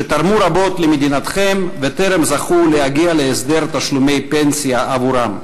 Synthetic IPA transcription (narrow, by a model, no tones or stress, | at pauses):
et̪aɾmuɾabo̞t̪lemed̪inat̪χemvet̪eɾemzaχulehaɡialeːsd̪eɾt̪aʃlumejpensijaʔavuɾam